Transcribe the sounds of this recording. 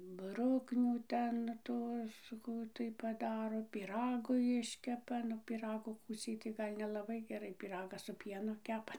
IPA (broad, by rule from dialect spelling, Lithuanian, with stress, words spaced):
ˈbrʊknʲuː ˈtʲɛn ˈtuɔs ˈkuː tɐɪ pɐˈdɑːroː pʲiːˈrɑːɡʊ ˈjɪʃʲkʲɛpɐ nʊ pʲiːˈrɑːɡʊ ˈkuːt͡sʲɛɪ tɐɪ ˈɡɐlʲ nʲɛlˠɐˈbɐɪ ɡʲɛˈrɐɪ pʲiːˈrɑːɡɐs sʊ ˈpʲiɛnʊ ˈkʲæːpɐ